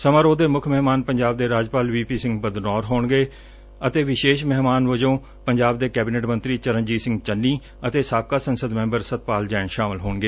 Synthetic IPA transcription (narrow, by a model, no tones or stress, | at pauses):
səmaːɾoːd̪eːmʊkʰmɛɦmaːnpəɲd͡ʒaːb̚d̪eːɾaːd͡ʒpaːlʋiːpiːsɪ̃ŋɡbəd̪nɔːɾɦoːɳɡeː | ət̪eːʋɪʃeːʃmɛɦmaːnʋəd͡ʒõː | pəɲd͡ʒaːb̚d̪eːkɛːbɪneʈmə̃nt̪ɾiːt͡ʃəɾəɲd͡ʒiːsɪ̃ŋɡt͡ʃənːiː | ət̪eːsaːp̚kaːsənsəd̪mɛ̃ːmbəɾsət̪̚paːld͡ʒɛːɳʃaːmɪlɦoːɳɡeː